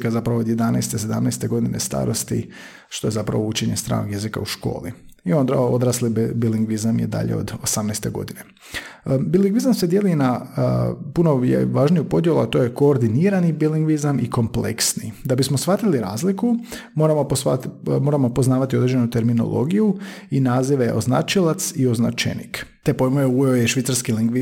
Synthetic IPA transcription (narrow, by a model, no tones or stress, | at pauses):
kazapɾaʋooːd̪je̞d̪anɛ̰jst̪ese̞d̪amnɛjst̪e̞ɡo̞d̪inest̪a̰ːɾo̞st̪ḭ | ʃt̪o̞je̞zapɾa̰ʋout͡ʃeɲest̪ɾa̰ːnoɡje̞zika̰uʃko̞̰ːlḭio̞nd̪a̰od̪ɾaːslibiliŋɡʋizamjḛd̪a̰ʎḛo̞̰d̪osamnɛjst̪e̞ɡo̞̰d̪ine̞ | biliŋɡʋizamsed̪jelina | puno̞jḛʋaːʒnijupo̞d̪jeluat̪o̞jeko̞ːɾd̪iniɾanibiliŋɡʋizamiko̞mplḛksnḭd̪abismosʋat̪iliɾa̰ːzlikumo̞ɾamoosat̪mo̞ːɾamopo̞znaːʋat̪io̞d̪ɾed͡ʒe̞nut̪e̞ɾmino̰lʔo̰ɡijuinaːziʋeʔo̞zna̰t͡ʃilˠat̪sio̞zna̰t͡ʃḛnḭkt̪epojmojeueojɛʃʋit̪saɾskiliŋɡʋi